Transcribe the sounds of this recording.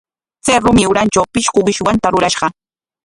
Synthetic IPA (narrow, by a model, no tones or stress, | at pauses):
t͡seɾʊmɪʊɾant͡ʃawpɪʃkʊwɪʃwant̪aɾʊɾaʃɢɑ